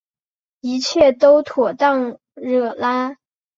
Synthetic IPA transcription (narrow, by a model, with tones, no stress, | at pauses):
i˧˥t͡ɕʰjɛ˥˩t̪o˥ʊt̪ʰwɔ˨˩t̪ɑ˥˧ŋ | ɻɤ˥˩la˥